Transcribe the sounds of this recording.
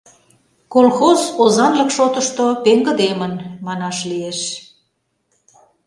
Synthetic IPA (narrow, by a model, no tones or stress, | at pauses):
kolxozozɑnlə̆kʃot̪əʃt̪opeŋɡə̆d̪emənmɑnɑʃlieʃ